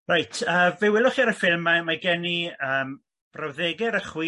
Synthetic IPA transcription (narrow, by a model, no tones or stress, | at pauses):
rajtʰəːvewɪlˠʊχiɾəfɪlˠmːamaɡɛniəːm | b̥rawðeɡɪɾəχwiː